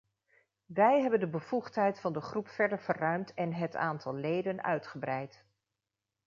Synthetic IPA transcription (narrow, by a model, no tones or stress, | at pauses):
ʋɛjɦɛbəndəbəv̥uχtɦɛjtfɑndəχrupfɛɹdəɹv̥ərœɥmtʰɛnɦəta̰ːntʰɑlˠlejdənœ̰ɥtχəbrɛjt